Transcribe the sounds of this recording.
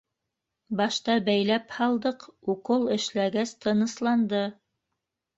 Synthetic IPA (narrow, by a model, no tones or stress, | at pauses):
bɑʃt̪ɑbæjlæphɑlˠd̪ɤquqɤlˠɘ̆ʃlæɡæst̪ʰɤ̆nɤ̆slˠɑnd̪ɤ